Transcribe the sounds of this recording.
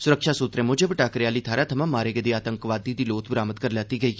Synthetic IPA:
sʊɾəkʃaːsut̪ɾẽːmʊd͡ʒəbəʈaːkəɾjaːliːt̪ʰaːɾaːt̪ʰəmãmaːɾeːɡəd̪iːaːt̪əŋkʋaːd̪iːd̪iːloːt̪bɾaːmət̪̚kəɾljaːt̪iːɡəiː

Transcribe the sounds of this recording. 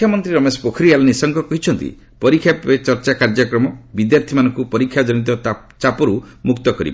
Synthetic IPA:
jamɔnt̪ɾiɾɔmesɔ̥pokʰɔɾialɔnisɔŋkɔkɔɦit͡ʃʰɔnt̪ḭ | pɔɾikʰːjapet͡ʃɔɾt͡ʃakaɾd͡ʒɔkɾɔmɔbid̪jaɾt̪ʰimanɔŋkupɔɾikʰːjad͡ʒɔnit̪̬ɔ | t͡ʃapɔɾumukt̪ɔkɔɾḭb

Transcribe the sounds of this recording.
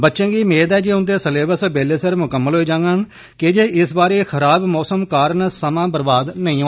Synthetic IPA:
bətːʃẽːɡiːmeːd̪ɛːd͡ʒeːʊnd̪eːsəleːbəsəbeːleːsəɾmʊkəmːəlɦoːiːd͡ʒãːŋɡən | ked͡ʒeːʔɪsbaːɾeːxʰəɾaːbmɔːsəmkaːɾnsəmãːbəɾbaːd̪nəĩːõː

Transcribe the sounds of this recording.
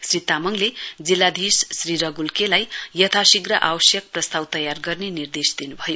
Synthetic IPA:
srit̪amʌŋled͡zilːad̪ʱissriɾʌɡulkelajjʌt̪ʰasiɡrʌʔawʌsjʌk̚prʌst̪awt̪ʌjarɡʌrnenird̪esd̪inubʱʌjo

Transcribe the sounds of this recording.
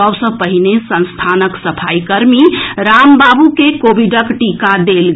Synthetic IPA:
əwsə̃pəɦinesə̃nst̪ʰanəksəpʰaikəɾmiɾambabukekobiɖəkʈikad̪elɡ

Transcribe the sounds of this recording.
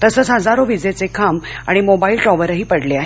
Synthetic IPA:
t̪əsəːt͡sɦəd͡zaɾoʋid͡zet͡sekʰama̰ɽ̃imobailʈɾɔʋəɾəɦiːpəɽleaɦe

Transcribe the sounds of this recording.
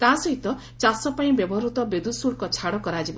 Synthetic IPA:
k̪ãsɔɦit̪ɔ | t͡ʃasɔpaĩbebɔɾut̪ɔbed̪usuɽkɔt͡ʃʰaɽɔkɔɾad͡ʒibɔ

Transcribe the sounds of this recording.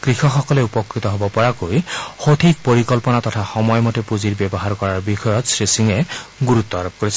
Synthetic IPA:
kɾixɔxɔkɔleupɔkɾit̪ɔɦobɔpɔɹakojxot̪ʰik̚poɾikɔlpɔnat̪ɔt̪ʰaxɔmɔjɔmɔtepuziɹbjɔbɔɦaɾkɔɹaɹbixɔjɔt̪sɹesiŋeɡuɾut̪ːɔaɾob̚koɾisʰi

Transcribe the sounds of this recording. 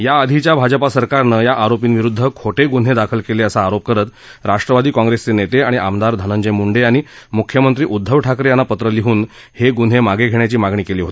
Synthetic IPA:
jaəd̪ʱit͡ɕjabʱad͡ʑəpasəɾkaɾnəjaʔaɾopiːnʋiɾud̪ʱːəkʰoʈeɡun̤ed̪akʰəlkeleəsaːɾop̚kəɾət̪ | ɾaʂʈɾəʋad̪iːkɔ̃ŋɡɾest͡senet̪eaɽiʔamd̪aɾd̪ʱənəɲd͡ʑəjmuɳɖeaɽ̃imukʰjəmənt̪ɾiːʔud̪ʱːəʋʈʰakɾejanːapət̪ɾəliɦuːn | heɡun̤emaɡeɡʱeɳjat͡ɕiːmaɡɳiːkeliːɦot̪i̥

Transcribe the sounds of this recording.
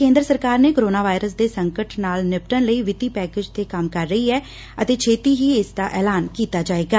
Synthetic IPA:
kẽːnd̪ɾəsəɾkaːɾneːkoɾoːnaːʋaːɪɾəsd̪eːsəŋkəʈnaːlnɪp̚ʈənləiːʋɪt̪iːpɛːkeːd͡ʒt̪eːkəmkəɾːəiːɛː | ət̪eːt͡ʃʰeːt̪iːɦiːɪsd̪aːʔɛːlaːnkiːt̪aːd͡ʒaːeːɡaː

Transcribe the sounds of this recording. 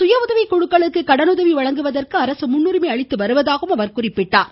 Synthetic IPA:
sʊjɐʋʊðɐʋikːɔɻɯkːɐɭɯkːɯkɐɽɐnɯðɐʋiʋɐɻɐŋɡɯʋɐðɐrkɯɐɾɐsɯmʊnːɯɾɯmeːɐɭɪt̪ːɯʋɐɾɯʋɐðaːɣɯmɐʋɐɾkʊrɪpːɪʈːaːɾ

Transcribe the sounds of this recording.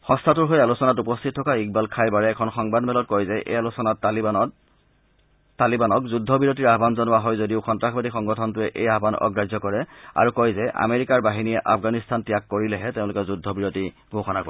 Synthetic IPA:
xɔ̃stʰatʊɹɦojalusɔnatupɔstʰitʰːɔkaik̚balkʰajbaɹɛːkʰɔnxɔŋbadmɛlɔt̚kɔjzɛʔḛjalusɔnatalia | alibanɔkzudʱːɔbiɹot̬iɹaɦbanzɔnʊwaɦɔjzodiʊxɔntɹaxbadixɔŋɡɔtʰɔntʊɛʔejaɦbanɔ̰ɡɹad͡ʒɔkɔɹɛa̰ɹukɔjzɛʔa̰meɹikaɹbaɦiniɛʔa̰fʰɡanistʰantijakːoɹilɛɦɛteʊ̃lʊkɛzudʱɔbiɹoti | ɡʱoxɔnakoɛ

